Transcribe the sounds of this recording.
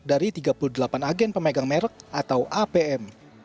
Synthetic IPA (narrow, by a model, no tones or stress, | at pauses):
daɾit̪iɡapuludəlapanaɡɛnpəmeɡaŋmɛɾək̚at̪awʔapeɛm